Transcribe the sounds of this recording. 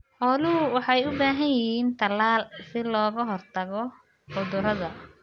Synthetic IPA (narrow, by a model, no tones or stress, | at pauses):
ħɔlʊwɑħɑjʊbaːɦɐjjɪhiːnt̪ʰɐlaːlsɪlɔːɣɐɦɔrt̪ʰɐɣɔ | ħʊðʊrɐðɐ